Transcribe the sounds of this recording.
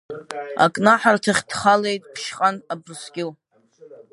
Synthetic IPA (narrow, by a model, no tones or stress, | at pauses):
a̰kʼnaħartʰaχʲd̥χale̞jtʼpʰʃqʼanabrsɡʲɪl